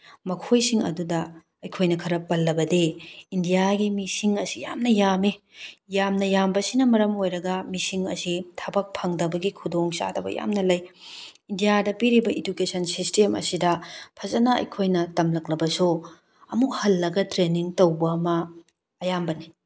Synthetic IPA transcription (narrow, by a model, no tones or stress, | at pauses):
mɐkʰojsiŋɐ̰dudɐ | ɐjkʰojnɐkʰɐɾɐpɐlːɐbɐdeindijaɡimisiŋɐsija̰mnɐjami | jamnɐjambɐsinɐmɐɾɐmojɾɐɡɐmisiŋɐ̰sitʰɐbɐk̚pʰɐŋdɐbɐɡikʰudoŋsa̰dɐbɐ̰ja̰mnɐlɐjindijadɐpiɾibɐʔidukesɐnsistemɐ̰sidɐpʰɐzɐnɐɐ̰jkʰojnɐtɐmlɐk̚lɐbɐsu | ɐmukhɐlːɐɡɐtɾeniŋtɐwbɐːmɐː | jambɐni